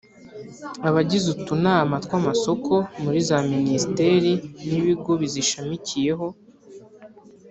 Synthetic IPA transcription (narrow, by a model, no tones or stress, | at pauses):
aβaɟizutunaamatkwaːmaso̞kʰo̞muɾizaministe̞ɾiniβiɡo̞βiziʃamicʰije̞ɦo̞